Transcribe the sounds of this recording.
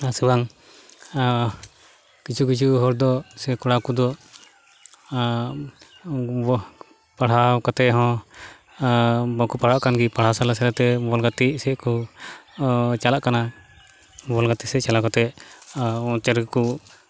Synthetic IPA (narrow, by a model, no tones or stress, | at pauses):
asibaŋ | kit͡ʃʰukit͡ʃʰuɦɔɾd̪ɔsɛkɔɽakud̪ɔ | paɽ̤akat̪ɛʔɦɔ̃ | bɔkupaɽaʔkanɡipaɽ̤asalasɛɾat̪ɛbɔlɡat̪isɛʔku | t͡ʃalaʔkana | bɔlɡat̪isɛʔt͡ʃalakat̪ɛ | ɔ̃t͡ʃɛɾku